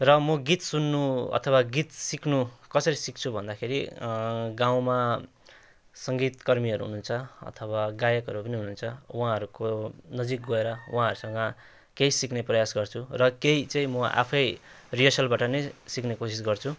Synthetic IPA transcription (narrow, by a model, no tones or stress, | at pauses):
rʌmʌɡit̪sunːuʌ̰t̪ʰʌwaɡit̪siknukʌsʌɾisikt͡sʰubʱʌnd̪akʰeɾi | ɡaw̃ma | sʌŋɡit̪kʌrmiʌɾuɦununt͡sʰʌʌ̰t̪ʰʌwaɡajʌkɦʌɾupʌniɦununt͡sʰʌwãɦʌɾukonʌd͡zik̚ɡʌeɾʌwɦãɦʌɾusʌŋɡʌ | keisikneprʌjasɡʌrt͡sʰurʌkeit͡saĩmʌʔa̰pʰʌj | rijʌsʌlbaʈʌnʌjsiknekosisɡʌrt͡sʰu